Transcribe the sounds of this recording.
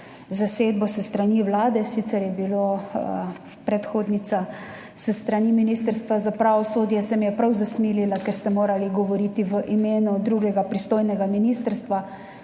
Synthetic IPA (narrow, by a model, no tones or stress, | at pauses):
zaseːd̪̚bɔsəst̪ɾaniwlaːd̪ɛsit̪sɛɾjɛbilo | pɾɛt̪xoːd̪nisa | səst̪ɾaniminiːst̪əɾst̪ʋazapɾaʋɔsoːd̪jɛsɛmijɛpɾawzasmiːlilakɛɾst̪ɛmoːɾaliɡɔʋɔɾiːt̪iʋəʔimeːnud̪ɾuɡɛɡapɾist̪oːjnɛɡaminist̪ɾst̪ʋa